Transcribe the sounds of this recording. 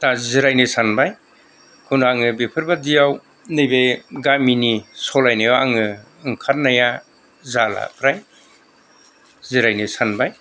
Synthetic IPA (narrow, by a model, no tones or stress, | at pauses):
taziɾajnesanbaj | kʰunaŋɯbepʰɯɾbadijaw | nɯjbejɡaminisɔlajnajɔaŋɯ | ɯŋkʰat̚naja | zala̰pʰɾaj | ziɾajnɯsanbaj